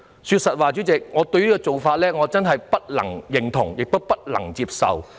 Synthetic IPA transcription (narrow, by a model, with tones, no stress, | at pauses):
syː˧t̚sɐ˨t̚waː˨t͡ɕyː˨˥t͡sɪ˨k̚ŋɔː˨˧t̪ɵ˧ɥjiː˥kɔ˧t͡so˨˩wfaː˧t̚lɛː˥ŋɔː˨˧t͡sɐ˥nɦɐ˨jpɐ˥t̚lɐ̰˨˩ŋjɪ˨˩ŋt̪ʰʊ̰˨˩ŋjɪ˨k̚t̪o˥wpɐ˥t̚lɐ̰˨˩ŋt͡siː˧p̚sɐ̰˨w